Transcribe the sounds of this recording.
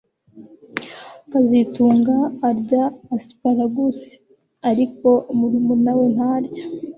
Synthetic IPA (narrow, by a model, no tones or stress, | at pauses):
kazituːŋɡaːɾɟaːsi̥paɾaɡusi̥ | aɾiko̞muɾimunawen̥haɾɟḁ